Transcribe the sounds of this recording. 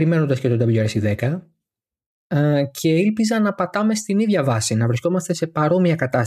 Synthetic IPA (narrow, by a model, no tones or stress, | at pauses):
ɾime̞no̞nd̪ɐscet̪od̪ɐviʎɐɾesiðe̞kɐ | cʰe̞ilpizɐnɐpɐt̪ɐme̞st̪iniðʝɐvɐsinɐvɾisko̞mɐst̪e̞se̞pɐɾo̞miɐkɐt̪ɐs